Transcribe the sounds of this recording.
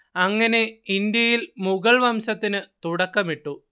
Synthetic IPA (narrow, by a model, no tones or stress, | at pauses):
ɐŋːɐne̞ind̪jɐjilmuɣɐɭʋɐmɕɐt̪ːinɨt̪uɽɐkːɐmiʈːu